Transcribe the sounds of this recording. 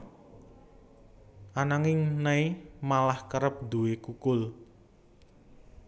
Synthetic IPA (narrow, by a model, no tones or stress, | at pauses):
ʔanaŋɪŋnaimalahkəɾəp̚d̪uwekukʊl